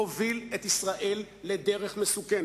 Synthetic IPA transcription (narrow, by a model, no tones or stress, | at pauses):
ovilet̪isʁaʔelːed̪eʁeχmesuken